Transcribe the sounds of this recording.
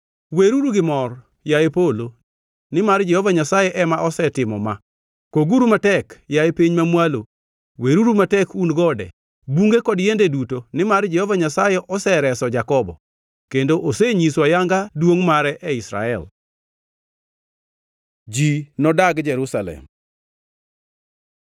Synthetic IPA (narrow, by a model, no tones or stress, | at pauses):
weɾuɾuɡɪmɔr | jajepolo | nɪmard͡ʒɛhɔvaɲasajɛʔɛmaʔɔsɛtɪmɔma | koɡuɾumatɛkjajepiɲmamwalo | weɾuɾumatɛkunɡɔdɛ̰ | buŋɡekɔdjendedutonɪmard͡ʒɛhɔvaɲasajɛʔɔsɛɾɛsɔd͡ʒakɔbɔ̰ | kendoʔoseɲiswajaŋɡadwoŋmaɾɛʔɛisɾa̰ɛ̰l | d͡ʒinɔdaɡd͡ʒɛɾusalɛ̰m